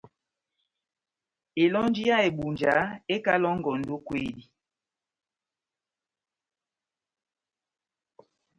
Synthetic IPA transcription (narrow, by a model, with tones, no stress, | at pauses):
e˨lɔ˦n˦d͡ʒi˦ja˦e˨ɓu˨nd͡ʒa˨˦e˦ka˦lɔ˦ŋ˦ɡɔ˨n̩˨do˦kwe˦di˦